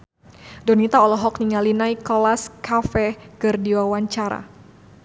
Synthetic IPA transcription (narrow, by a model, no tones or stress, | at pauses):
dɔnit̪aɔlɔɦɔkniŋalinajkɔlaskafɛkɨrdiwawaɲt͡ʃaɾa̰